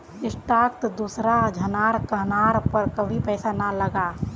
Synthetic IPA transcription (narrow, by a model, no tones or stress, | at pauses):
ɪsʈaːkt̪d̪uːsɾad͡ʒʱɐnaːɾkəɦnaːɾpəɾkəbʱipɛːsanaləɡa